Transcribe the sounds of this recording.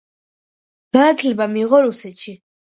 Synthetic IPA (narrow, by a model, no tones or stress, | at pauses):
ɡ̥anat̪ʰlɛbamiːʁɔɾusɛt̪ʃi